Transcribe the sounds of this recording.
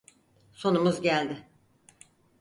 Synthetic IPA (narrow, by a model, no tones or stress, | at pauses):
so̞numuzɟælʲd̪ɪ